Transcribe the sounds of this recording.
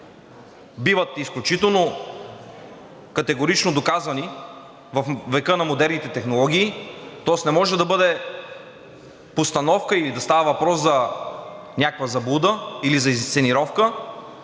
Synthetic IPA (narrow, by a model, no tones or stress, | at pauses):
bivət̪isklʲut͡ʃit̪ɛlˠno | kɐt̪ɛɡoɾit͡ʃnod̪okazɐni | vɐfvɛkɤnɐmod̪ɛɾnit̪ɛt̪ɛxnolˠɔɡ̟ʲiːt̪ɔɛsnɛmɔʒɛd̪ɐbɤd̪ɛ | post̪ɐnɔfkəilid̪ɐst̪avɐvɐpɾɔszɐ | nʲakvɐzɐbud̪əilizɐizt̪sɛniɾɔfkə